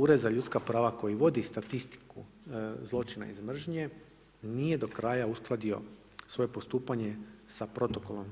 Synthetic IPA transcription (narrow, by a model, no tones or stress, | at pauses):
uːɾe̞d̪zaʎut̪skapɾaːʋako̞jiʋo̞d̪ist̪at̪ist̪i̥ku | zlˠo̞t͡ʃina̰izmr̩ʒɲe̞ | nije̞d̪o̞kɾaːjausklˠad̪io̞̰ | sʋo̞jepost̪uːpaɲe̞sapɾo̞t̪o̞ko̞lo̞m